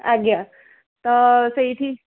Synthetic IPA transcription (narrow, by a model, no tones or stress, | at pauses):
aɡja | t̪ɔsəiʈʰiː